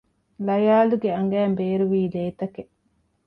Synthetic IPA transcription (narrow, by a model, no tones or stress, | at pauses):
lɐjaːluɡeɐŋɡæːmbeːɾuʋiːleːt̪ɐke